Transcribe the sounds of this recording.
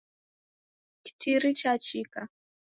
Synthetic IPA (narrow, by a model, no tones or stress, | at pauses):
ki̥tʰiɾit͡ʃat͡ʃika